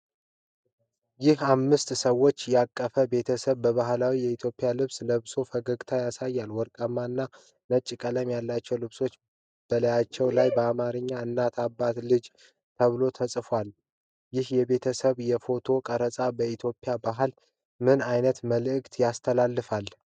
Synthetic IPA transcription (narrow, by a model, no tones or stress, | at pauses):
jɪhamːɨst̪səwːo̞t͡ʃːjɛakʼːəfəbe̞t̪ʰəsəβbəβaɦlawijɛit̪ʰjo̞pʼɪjalɨβsləβso̞fəɡəɡt̪ʰajasajːalwɔɾkʼəmːaɨnːa | nət͡ʃʼːkʼələmjalːat͡ʃːɛwlɨβso̞t͡ʃː | b̥ələjat͡ʃːɛwlajbəamaɾɨɲːaɨnːat̪ʰabːat̪lɨd͡ʒ | t̪ʰəβɨlo̞t̪ʰəsʼfwal | jɪhjɛβe̞t̪ʰəsəβjɛfo̞t̪ʰo̞kʼəɾəsʼabəit̪ʰjo̞pʼːɪjabaɦɨl | mɨnajnət̪məlɨɨkʼt̪ʰjast̪ʰəlalːɨfal